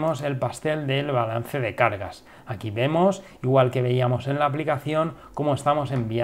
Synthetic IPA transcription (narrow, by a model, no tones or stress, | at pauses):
mo̞se̞lpast̪e̞ld̪e̞lβala̰n̟θe̞ðe̞kaɾɣa̰s | akiβe̞mo̞s | iɣwalke̞β̞e̞iamo̞se̞nlaːp̬likaθjo̞ŋko̞moe̞st̪amo̞se̞mbia